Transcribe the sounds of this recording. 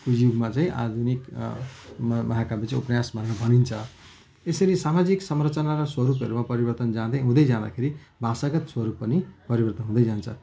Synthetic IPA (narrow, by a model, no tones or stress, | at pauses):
ud͡ʒjuɡmat͡saĩʔa̰d̪ʱunik | mmʔʌɦakabit͡sãupnjasbʱʌneɾʌbʱʌnint͡sʰʌ | esʌɾisamad͡ziksʌmrʌt͡sʌnaɾʌswʌɾup̬ʌɾumapʌɾibʌrt̪ʌnd͡zãd̪ʌɦũd̪ʌjd͡zãd̪a̰kʰeɾibʱasaɡʌt̪swʌɾupːʌnipʌɾibʌrt̪ʌnɦũd̪ʌjd͡zant͡sʰʌ